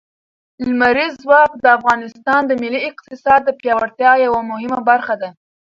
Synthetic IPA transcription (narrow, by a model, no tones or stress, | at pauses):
ɪlmaɾizːwɑkd̪əafɣɑnɪst̪ɑnd̪əmɪliɪqt̪ɪsɑd̪ːəpjɑwaɾt̪jɑjawamʊhɪmabaɾxad̪a